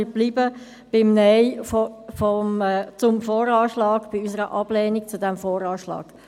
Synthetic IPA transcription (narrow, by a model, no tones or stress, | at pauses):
ɪb̥liːbə | b̥ɪmnɛɪffɔmt͡sʊmfoːɾɑːʃlɑːɡ̥b̥iysəɾəʔɑb̥lɛːnik̚t͡sudɛmfoːɾɑːʃlɑ̰ːɡ̥